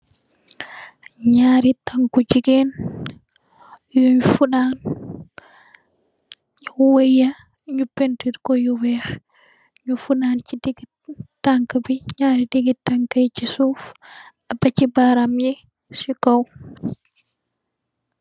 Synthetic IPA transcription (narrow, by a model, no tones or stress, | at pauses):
ɲaːɾitaŋkud͡ʒiɡɛn | juɲfuɗan | waja | ɲupːentiɾkɔjuwɛx | ɲufuɗant͡ʃidiɡi | taŋkabiɲaɾidiɡitaŋkajt͡ʃisuf | abat͡ʃibaɾamjɛ | sikaw